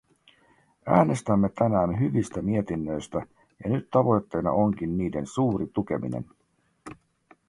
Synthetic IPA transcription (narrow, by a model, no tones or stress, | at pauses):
æ̰ːne̞st̪æmːe̞t̪ænæːnɦyʋist̪æmie̞t̪inːø̞jst̪æ | jɑnyt̪ːɑʋo̞jt̪ːe̞jnɑ̰ʔo̞ŋk̟inːiːde̞̰nsuːɾit̪uk̟e̞mḭnḛn